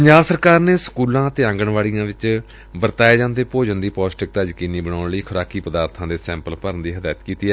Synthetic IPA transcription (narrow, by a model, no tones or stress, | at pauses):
pəɲd͡ʒaːbsəɾkaːɾneːsə̥kuːlãːət̪eːãːŋɡəɳʋaːɽijãːʋɪt͡ʃ | bəɾt̪aːeːd͡ʒãːnd̪eːpoːd͡ʒənd̪iːpɔːsʈɪk̚t̪aːd͡ʒkiːniːbəɳ̃aːɳləiːkʰʊɾaːkiːpəd̪aːɾt̪ʰãːd̪eːsɛ̃ːmpəlpəɾənd̪iːɦəd̪aːət̪kiːt̪iːɛː